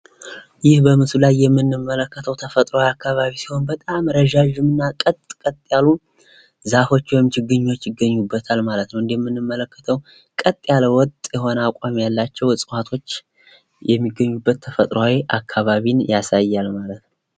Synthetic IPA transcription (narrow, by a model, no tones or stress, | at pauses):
jɪhbəmɨsulajːɛmːɨnːɨmːələkːət̪ʰəwt̪ʰəfət̪ʼɾowawiakːaβaβisi̥ho̞nbət̪ʼamɾəʒaʒɨmɨnːakʼət̪ʼkʼət̪ʼjalu | zafo̞t͡ʃːwɔjɪmt͡ʃʰɨɡɨɲːo̞t͡ʃːjɪɡəɲːubːət̪ʰalmalət̪nəwɨnd̪ejɛmːɨnːɨmːələkːə̥t̪ʰəw | kʼət̪ʼjaləwɔt̪ʼjɛho̞nəakʷʼamjalːat͡ʃːɛwɨsʼɨwat̪ʰo̞t͡ʃː | jɛmːiɡəɲːubːət̪ʰːəfət̪ʼɾwawiʔakʰːaβaβinjasajːalmalət̪nəw